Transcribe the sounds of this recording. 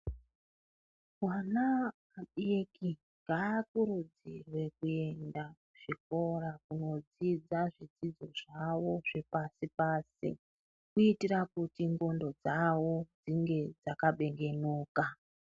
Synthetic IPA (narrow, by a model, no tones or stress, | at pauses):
wana | aɓieki | ŋɡaːkuɾud͡zirwe̞kue̞nda | ʐ̥iko̞rakuno̞d͡zid͡zaʐid͡zid͡zo̞ʐawo̞ʐe̞pasipaːsḭ | kuitirakutiŋɡo̞ndo̞d͡zawo̞d͡ziŋɡe̞d͡zakaɓe̞ŋɡe̞nuːka